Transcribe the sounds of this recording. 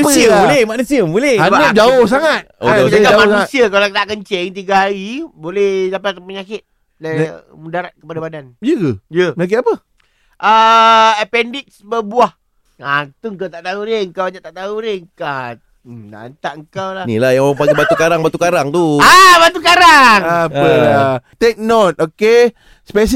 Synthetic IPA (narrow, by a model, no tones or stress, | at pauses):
siəbulɛmanusiəbulɛabəd͡ʒaos̬aŋat̪̚ood͡ʒaɡaamanut̪siəkalot̪aʔkəɲt͡ʃɛŋt̪̬iɡaɦaɾibolɛhdampat̪apəɲakɪt̪̚ | da | mədaɾat̪̚kəpadabadanijəɡəjəməɲak̬it̪apə | ʔəəpɛndit̪̚sbəbuah | ŋant̪ʊŋkawt̪aʔt̪auɾeŋkawaɲaʔt̪aʔt̪auɾeŋkah | na̰nt̪aʔŋkawlanḭlahjaŋoɾaŋpaɡibat̪ukaɾaŋbat̪ukaɾaŋt̪uabat̪ukaɾaŋaəat̪ek̚not̪̚oke | spes̬